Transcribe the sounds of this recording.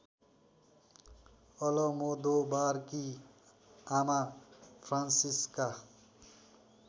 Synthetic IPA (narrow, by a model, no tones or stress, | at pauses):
ʌlʌmod̪obaɾki | amapʰɾansiska